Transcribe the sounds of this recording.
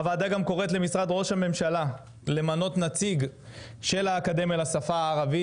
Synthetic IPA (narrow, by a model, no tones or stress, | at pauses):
avaːd̪aɡamko̞ʁet̪le̞misʁad̪ʁo̞ʃhame̞mʃala | le̞mano̞t̪nat͡siɡ | ʃe̞laːkad̪e̞melasafaːʁavi